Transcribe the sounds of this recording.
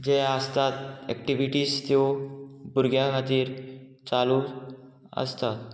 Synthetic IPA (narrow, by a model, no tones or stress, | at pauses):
d͡ʑeəst̪at̪ɛ̰kʈiʋiʈiːst̪jobuɾɡjaɦat̪iːɾt͡salu | ə̰st̪at̪